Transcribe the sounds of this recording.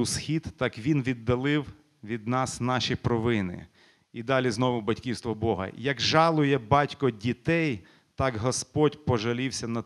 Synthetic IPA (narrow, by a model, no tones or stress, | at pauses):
ʊsxʲid̪ːɑkʋʲinʋʲid̪ːɐlˠɪw | ʋʲid̪nɑsnɑʃʲipɾɔʋɪnɪ̰ | id̪ɑlʲiznɔʋʊbɐtʲkʲiwst̪ʋɔbɔɦɐ̰jɐɡʒɑlˠʊjɛbɑtʲkɔdʲit̪ɛj | t̪ɑɡɦɔspɔdʲpɔʒɐlʲiwsʲɐnɐ